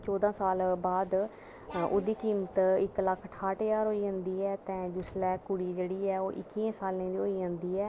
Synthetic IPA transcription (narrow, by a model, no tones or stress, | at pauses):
t͡ʃɔːd̪ãːsaːlbaːd̪ | ʊd̪iːkiːmət̪ɪkləkʰːʈʰaːʈːjaːɾoːiːãːnd̪iːɛːt̪ɛ̃ːd͡ʒʊslɛːkʊɽiːd͡ʒeːɽiːɛːoːʔɪkːiːẽːsaːlẽːd̪iːoːiːɦãːnd̪iːɛː